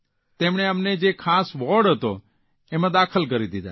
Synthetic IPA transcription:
t̪emɳ̃eəmned͡ʒekʰasʋɔɾɖɦət̪o | emãd̪akʰəlk̬əɾid̪id̪a̰

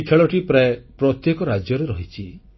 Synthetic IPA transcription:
ikʰeɭɔʈipɾaepɾɔt̪jekɔɾad͡ʒjɔɾeɾɔɦit͡ʃʰi

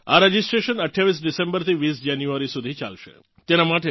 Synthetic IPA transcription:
a̰ɾəd͡ʒisʈɾeʃənəʈʰjaʋis̬ɖisẽmbəɾt̪ʰiʋisd͡ʒanjuaɾisud̪ʱit͡ʃa̰lʃḛ | t̪enamaʈe

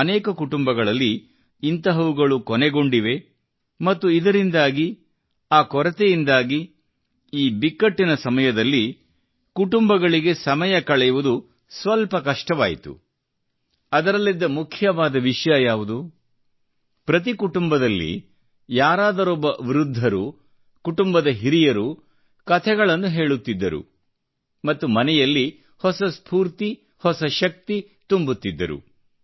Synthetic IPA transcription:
ɐnɛːkɐkuʈumbɐɡɐɭɐlːiː | nt̪ɐɦɐʋuɡɐɭukɔnɛɡo̞ɳɖiʋe̞ | mɐt̪ːuid̪ɐɾind̪aːɡi | aːkɔɾɐt̪ejind̪aːɡi | iːbikːɐʈːinɐsɐmɐjɐd̪ɐlːi | kuʈumbɐɡɐɭiɡe̞sɐmɐjɐkɐɭɛjɐʋud̪u | sʋɐlpɐkɐʂʈɐʋaːjit̪ṵ | ɐd̪ɐɾɐlːid̪ːɐmukʰjɐʋaːd̪ɐʋiʂjɐjaːʋud̪u | pɾɐt̪ikuʈumbɐd̪ɐlːḭ | jaːɾaːd̪ɐɾɔbːɐʋiɾud̪ʱːɐɾu | kuʈumbɐd̪ɐɦiɾijɐɾu | kɐt̪ʰɛɡɐɭɐnːuɦe̞ːɭut̪ːid̪ːɐɾṵ | mɐt̪ːumɐnɛjɐlːi | hɔsɐspʰuːɾt̪i | hɔsɐʃɐk̚t̪i | t̪umbut̪ːid̪ːɐ̰ɾṵ

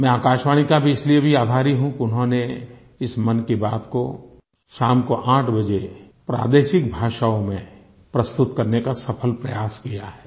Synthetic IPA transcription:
mɛ̃aːkaːʃʋaːɽ̃ikabʱiɪsliebʱiaːbʱaːɾiɦũkiʊnɦõne | ɪsmɐnkibaːd̪ko | ʃaːmkoʔãːʈʰbɐd͡ʒe | pɾa̰ːd̪eːʃɪkbʱaːʃaõmẽ | pɾɐst̪ʊt̪kɐɾnekasɐpʰəlpɾɐjaːskijaɦɛː

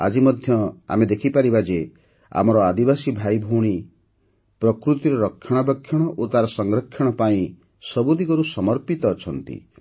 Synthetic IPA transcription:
a̰d͡ʒimɔd̪ʱjɔa̰med̪ekʰipaɾibad͡ʒe | a̰mɔɾɔad̪ibasibʱajbʱuɽ̃i | pɾɔkɾut̪iɾɔɾɔkʰːjɔɽ̃ɔbɔkʰːjɔɽ̃ɔʔot̪aɾɔsɔŋɡɾɔkʰːjɔɽ̃ɔpaĩ | sɔbud̪iɡɔɾusɔmɔɾpit̪ɔːt͡ʃʰɔnt̪ḭ

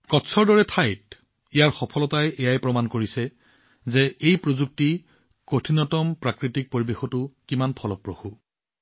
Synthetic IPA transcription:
kɔtsʰɔɹdɔɹɛtʰajt̚ | ijaɹxɔpʰɔlɔtajʔɛjajpɹɔmankoɹisɛ | zɛejpɹozuk̚ti | kotʰinɔtɔmpɹakɹitik̚poɹibexɔtʊkimanpʰɔlɔpɹoxu

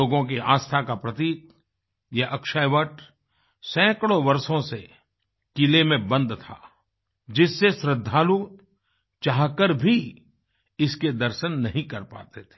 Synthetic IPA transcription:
oːɡõk̬iʔaːst̪ʰakapɾɐt̪iːk̪ | jaʔɐkʃaːjʋəʈ | sɛ̃ːkəɽoʋɐɾsõse | kilemẽbə̃nd̪t̪ʰa̰ː | d͡ʒɪsːeʃɾɪd̪ʱːaːlu | t͡ʃaːɦkəɾbʱi | ɪsked̪ɐɾʃənːɐɦĩkɐɾpa̰ːt̪et̪ʰe̥ː

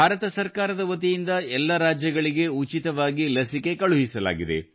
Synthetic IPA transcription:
bʱaːɾɐt̪ɐsɐɾkaːɾɐd̪ɐʋɐt̪̬ijind̪ɐɛlːɐɾaːd͡ʒjɐɡɐɭiɡe̞ut͡ʃit̪ɐʋaːɡilɐsike̞kɐɭuɦisɐla̰ːɡid̪e̞̰

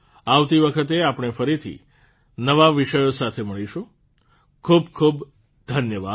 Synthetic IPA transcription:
aʋt̪iʋəkʰət̪̬eapɳ̃efəɾit̪ʰḭ | nəʋaʋiʃəjosat̪ʰeməɭiʃũ | kʰubkʰub | d̪ʱənjəʋa

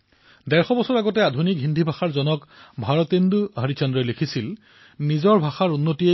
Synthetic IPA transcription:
dɛɹxɔbɔsɔɹaɡɔtɛadʱunikɦindʱibʱaxaɹzɔnɔkbʱaɹɔtenduɦaɹit͡ʃɔndɹɔjlekʰisil | nizɔɹbʱaxaɹunːotie

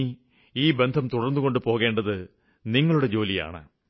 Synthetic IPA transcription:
i | iːbe̞nd̪ʱɐmt̪uɽɐrnːuɣo̞ɳɖɨpo̞ːɣe̞ːɳɖɐðɨ | niŋːɐɭuɽe̞d͡ʑo̞ːlija̰ːɳɨ̰

